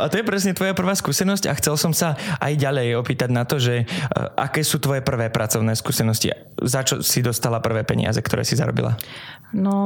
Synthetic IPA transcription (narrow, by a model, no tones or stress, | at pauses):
at̪ɔjɛpɾɛsɲɛt̪ʋɔjapr̩ʋaːskuːsɛnɔsca̰xt͡sɛlsɔmsaʔa̰jɟaʎɛjɔpiːt̪aɟnat̪ɔʒɛʔa̰kɛːsuːt̪ʋɔjɛpr̩ʋɛːpɾʔat͡sɔʊnɛːskuːsɛnɔscḭ | zat͡ʃɔ̰sid̪ɔst̪alapr̩ʋɛːpɛ̰ɲɪ̰a̰zɛk̚t̪ɔɾɛ̰ːsiza̰ɾɔ̰bḭla̰ | nɔ